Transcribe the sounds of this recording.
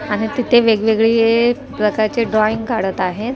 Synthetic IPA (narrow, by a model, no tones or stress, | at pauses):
aɽ̃it̪it̪ʰeʋeɡʋeɡɭiːe | pɾəkaɾt͡ɕeɖɾɔiŋɡkaɽət̪aɦet̪